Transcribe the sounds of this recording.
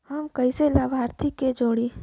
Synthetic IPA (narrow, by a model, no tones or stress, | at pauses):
hɐmkɐiselaːbʱaːɾt̪ʰikːed͡ʒoːɽi